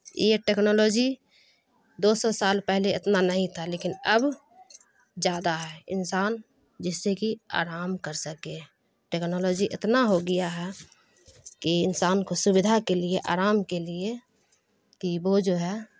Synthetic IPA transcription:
jeʈeːknɔːloːd͡ʒi | d̪oːsɔsaːlpɛɦleɪt̪nanəɦĩt̪ʰaleːkɪnəb | d͡ʒjaːd̪aɦɛɪ̰nsaːn | d͡ʒɪsːekia̰ːɾaːmkəɾsəke | ʈeːknɔːloːd͡ʒiʔɪt̪naɦoɡɪjaɦɛ | kiɪnsaːnkosʊbɪd̪ʱakelieʔa̰ːɾaːmkelie | k̪ibod͡ʒoɦɛ

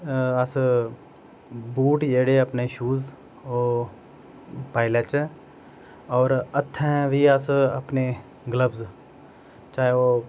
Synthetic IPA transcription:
əs | buːʈjeːɽeəpneʃuːz | oː | paːɪlət͡ʃɛ | ɔːɾət̪ʰːɛ̃ʋiəsəpne | ɡləʋz | t͡ʃaːɦeo

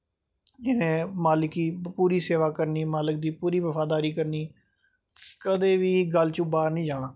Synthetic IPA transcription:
ɪnẽːmaːlɪkiːpuːɾiːseːʋaːkəɾniːmaːlɪk̚d̪iːpuːɾiːʋəfʰaːd̪aːɾiːkəɾniː | kəd̪eːʋiːɡəlt͡ʃʊbaːɾnəĩːd͡ʒãːãː

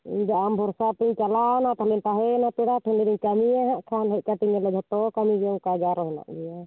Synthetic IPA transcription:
ḭɲd̪aʔambʱɔɾsat̪iɲt͡ʃalanat̪alint̪aɦɛnat̪uɾat̪ʰɛliɾiɲkamijaɦaʔkʰanɦɛʔ̚kat̪iɲɛlɛd͡ʒɔt̪ɔkamid͡ʒɔŋkad͡ʒaɾɔɦɛna̰ʔɡija

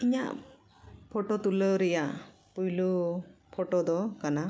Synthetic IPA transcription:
iɲa̰ʔ | pʰɔʈɔt̪uləɾɛjaʔ | pujlupʰɔʈɔd̪ɔkana

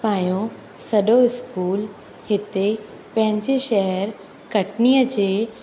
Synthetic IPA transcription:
pãːjõ | sɐɖoɪskuːl | hɪt̪e | pɐ̃ɦɪ̃ɲd͡ʑeʃɐɦəɾ | kɐʈnijəd͡ʑe

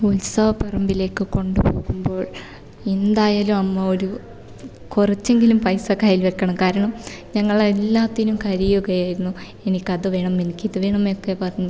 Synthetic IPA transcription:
ulsɐʋɐpːɐrɐmbile̞ːkːɨko̞ɳɖupo̞ːɣumbo̞ːɭ | end̪aːjaːlumɐmːɐo̞ɾu | kurɐt͡ɕːe̞ŋɡilumpɐjsɐkaːjilʋekːɐɳɐmkaːɾɐɳɐmɲɐŋːɐɭelːaːt̪ːinumkɐɾijuɣɐjaːjiɾunːu | e̞nikʲːɐðɨʋe̞ːɳɐme̞nikʲːiðɨʋe̞ːɳɐmeokːepɐrɐɲːu

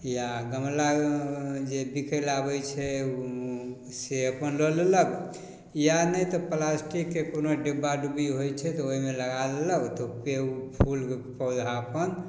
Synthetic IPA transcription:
jaɡəmla | d͡ʒebikʰəlabəjt͡ʃʰɛ | seəpənloleləɡ | janəjt̪ɔplasʈikːekonoɖebaɖubiɦojt͡ʃʰɛt̪ɔoɦimeləɡaleləɡt̪ɔpeupʰulkepəwd͡ʒʱapən

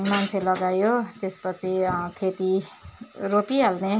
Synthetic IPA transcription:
mant͡sʰelʌɡajot̪espʌt͡sʰikʰet̪i | ropiɦalne

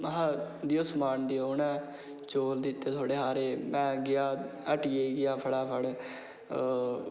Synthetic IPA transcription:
ɦãd̪iːoːsmaːnd̪iːonɛ̃ː | t͡ʃoːld̪ɪt̪ːeːt̪ʰoːɽeːɦaːɾeːmɛ̃ːɡɪjaːəʈɪjeːɡɪjaːpʰəɽɛːpʰəɽ

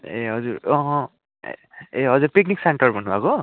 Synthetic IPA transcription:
eɦʌd͡zuɾʌɦʌ̃ | ḛ | eɦʌd͡zurpiknikseɳʈʌrbʱʌnːubʱako

